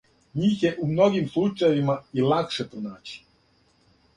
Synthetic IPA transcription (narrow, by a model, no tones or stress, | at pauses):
ɲiːxjeʔumno̞ɡimslˠut͡ʃajeʋimailakʃepɾonaːt͡ɕi̥